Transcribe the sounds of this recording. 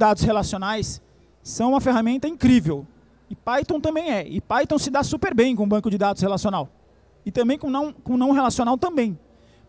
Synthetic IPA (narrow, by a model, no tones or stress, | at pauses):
d̪ad̪ʊshelasiõnajsː | ɐ̃w̃ũmɐfeɦamẽnt̪ɐĩkɾivew | ɪpajt̪õw̃t̪ɐ̃mbẽj̃ɛɪpajt̪õw̃sɪd̪asupeɾbẽj̃kõbɐ̃ŋkʊd͡ʒɪd̪ad̪ʊshelasionaw | ɪt̪ɐ̃mbẽj̃kõnɐ̃w̃kõnɐ̃w̃ɦelasiõnawt̪ɐ̃mbẽj̃